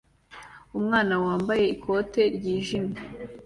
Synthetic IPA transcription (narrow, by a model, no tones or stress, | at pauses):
umŋaːnawaːmbaje̞ikʰo̞te̞ɾɟiːʒina